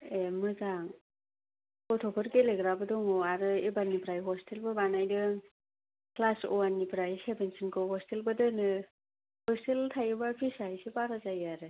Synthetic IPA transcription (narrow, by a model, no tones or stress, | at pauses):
emɯzaŋ | kɔtʰɔpʰɯɾkeleɡɾabɯdɔŋɔaɾɯebanipɾajɦɔstʰelbɯbanajdɯ | klasɔ̰wanipɾajsebensinkʰɯhɔstelbɯdɯnɯ | hɔsteltʰajɯbapʰisajsipaɾazajaɾɯ